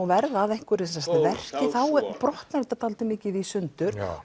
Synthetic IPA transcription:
vɛɾðaðɛjŋ̥kʏɾɪsɛst̪avɛr̥cɪθawpɾɔht̪naɾɛt̪at̪ʰaːlt̪ɪmɪːcɪvisʏntt̪ʏɾ̥

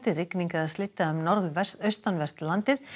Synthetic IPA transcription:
t̪ɪrɪkniŋkaaðslɪt̪ːaʏmnɔɾðvɛr̥t̪œɥst̪anvɛr̥t̪lant̪ɪð

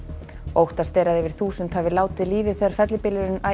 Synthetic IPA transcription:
owht̪ast̪ɛːɾaðɛvɪɾ̥θuːsʏnt̪havɪlaːwt̪ɪðliːvɪθɛaɾ̥fɛt̪lɪpɪlɪɾɪna

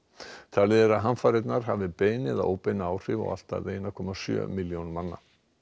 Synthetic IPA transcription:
t̪ʰaːlɪðɛɾaðɦanfaɾɪt̪naɾ̥ɦavɪpeːjnɪðao̰ːwpejnaawr̥ɪvɔ̰ɣa̰l̥t̪a̰ejnakʰɔmasjœ̰ːmɪljownmanːa̰

